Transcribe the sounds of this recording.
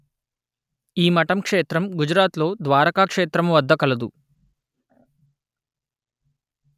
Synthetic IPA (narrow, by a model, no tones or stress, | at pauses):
iːmɐʈɐmkʂeːt̪ɾɐmɡud͡ʒɾaːt̪lo̞ːd̪ʋaːɾɐkaːkʂeːt̪ɾɐmʋɐd̪ːɐkɐlɐd̪u